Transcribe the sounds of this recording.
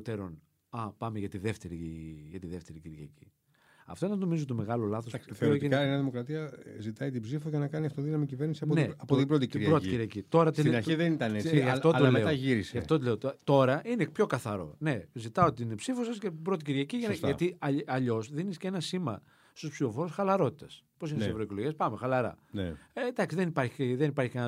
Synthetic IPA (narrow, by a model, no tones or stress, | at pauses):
ot̪eɾon | ɐpɐmeʝɐt̪iðe̞ft̪eɾiʝɐt̪iðe̞ft̪e̞ɾiciɾʝɐ̰ci̥ | ɐ̰ft̪oenɐnomizot̪o̞me̞ɣɐlo̞lɐθosθeɾot̪ieneneɐðimo̞kɾɐt̪iɐzit̪ɐit̪̬ibzifoʝɐnɐkɐniɐft̪oðinɐmicive̞ɾnisiɐoneɐpot̪ibɾot̪ic̪ɾʝɐɾoikciɾʝɐcit̪o̞ɾɐtsinɐɾiðenit̪ɐnesʝɐfotlilmeeɐʝiɾiseɐftot̪ileot̪t̪o̞ɾɐʔinepço̞kɐθɐɾo̞̰ne̞zit̪ɐot̪iinepsifosɐscebɾo̞t̪iciɾʝɐciʝɐt̪ʝɐt̪iɐɐʎo̞sðinisce̞nɐsimɐ̰ | st̪uspsifo̞fo̞ɾosxɐlɐɾo̞t̪i̥t̪ɐsposinetssevɾoikloʝiɐspɐmexɐlɐɾɐ̰need̪ɐksiðenipɐɾçi̥iðenipɐɾçikɐn